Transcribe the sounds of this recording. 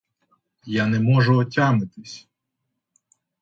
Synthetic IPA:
janɛmɔʒʊɔtʲamnɪt̪ɪsʲ

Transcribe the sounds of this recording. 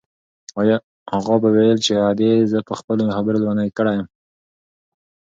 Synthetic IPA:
ɑj | haɣɑbawejəlt͡ʃead̪ezəpəxpəlomxabəɾolwanajkəɽajəm

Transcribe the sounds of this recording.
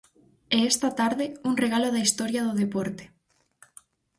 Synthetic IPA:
ɛɛst̪ɐt̪aɾðɪuŋreɣalʊðɐist̪ɔɾjaðʊðepɔɾt̪e̥

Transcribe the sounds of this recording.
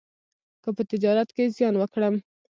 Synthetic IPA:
kəpət̪ɪd͡ʒɑɾat̪kezjɑnwəkɽəm

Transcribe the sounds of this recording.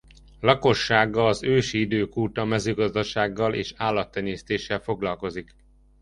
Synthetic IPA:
lɒko̞ʃːaːɡːɒlɒzøːʃiid̪øːkuːt̪ɒmɛzøːɡɒzd̪ɒʃaːɡːɒlḛːʃaːlːɒt̪ːɛɲeːst̪eːʃːɛlfo̞ɡlɒlko̞zik

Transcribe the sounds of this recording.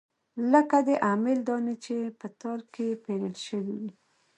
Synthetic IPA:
ləkad̪əʔamɪld̪ɑnet͡ʃepət̪ɑlkepeləlʃəwiwi

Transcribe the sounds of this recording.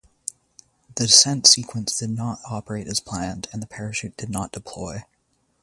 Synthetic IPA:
ðɨsɛ̃ntsikʰwə̃nsd̥ɨdⁿnəɾɑpə˞eɪɾɨz̥pʰl̥æ̃ndɨ̃nðɨpʰɛɹɨʃʉt̚d̥ɨdⁿnət̚d̥ɨpʰl̥ɔɪ

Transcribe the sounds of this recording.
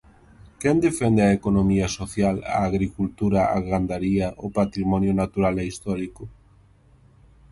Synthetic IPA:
kɛnd̪efɛnd̪eaekonomiɐsoθjala̰ːɣɾikult̪uɾaa̰ɣand̪aɾiɐʔopat̪ɾimɔnjʊnat̪uɾalɛist̪ɔɾikʊ

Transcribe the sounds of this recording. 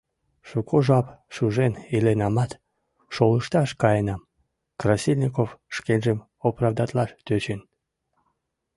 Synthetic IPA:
ʃukʰoʒɑpʃuʒenilenɑmɑt̪ | ʃoləʃt̪ɑʃkɑjenɑm | krasʲilʲnʲikofʃkenʲʒəm | oprɑvd̪ɑt̪lɑʃt̪øt͡ɕən

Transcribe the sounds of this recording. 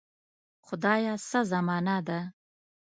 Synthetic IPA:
xʊd̪ɑjɑsazamɑnad̪a

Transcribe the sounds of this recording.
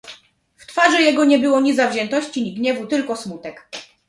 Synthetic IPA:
ft̪faʐɛjɛɡɔɲɛbɘwɔɲʲizavʑɛnt̪ɔɕt͡ɕiɲiɡɲɛvut̪ɘlkɔsmut̪ɛk

